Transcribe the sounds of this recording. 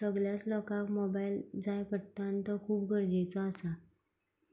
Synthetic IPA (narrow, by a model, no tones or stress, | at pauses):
səɡljat͡slɔkãkmobajld͡zajpəʈt̪ãnt̪əkʰuːp̚ɡʱəɾd͡ʑet͡səːsa